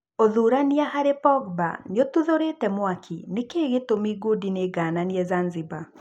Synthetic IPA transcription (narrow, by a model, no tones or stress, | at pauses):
oðuɾaniahaɾepɔɡ̚ba̰njotuðoɾetɛmwakʰinɪkeɣetomiɡodineɡananjɛzanzɪba